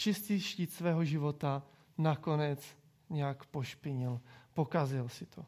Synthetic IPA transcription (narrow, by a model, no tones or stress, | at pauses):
t͡ʃɪst̪iːʃciːt̪svɛːɦo̞ʒɪvo̞t̪a | nako̞nɛt͡s | ɲɛakpo̞ʃpɪɲɪlpo̞kazɪlsɪt̪ʰo